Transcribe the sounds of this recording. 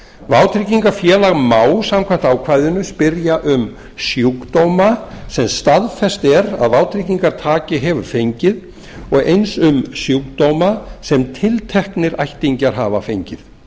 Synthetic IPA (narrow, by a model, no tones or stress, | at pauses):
vaːwt̪ʰɾiciŋkafjɛːlaɣmaːwsamkʰvam̥t̪aːwkʰvajðɪnʏspɪɾjaʔʏm | sjukt̪owmasɛmst̪aðfɛst̪ɛɾaðvaːwt̪ʰɾiciŋkaɾ̥t̪ʰaːcɪɦɛvʏɾ̥fejɲcɪð | ɔɣejnsʏmsjuwk̚t̪owmasɛmt̪ʰɪlt̪ʰɛhknɪɾajht̪iɲcaɾ̥ɦaːva̰fejɲcɪð